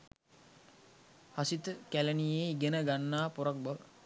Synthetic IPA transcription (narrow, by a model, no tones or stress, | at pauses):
hasit̪əkælənijeiɡenəɡanːaːpoɾak̚baʋə